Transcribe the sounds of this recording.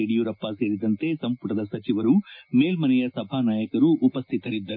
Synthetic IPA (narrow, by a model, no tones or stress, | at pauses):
eɽijuɾɐpːase̞ːɾid̪ɐnt̪e̞sɐmpuʈɐd̪ɐsɐt͡ʃiʋɐɾumeːlmɐnɛjɐsɐbʱaːnaːjɐkɐɾuʔːpɐst̪ʰit̪ɐɾid̪ːɐɾu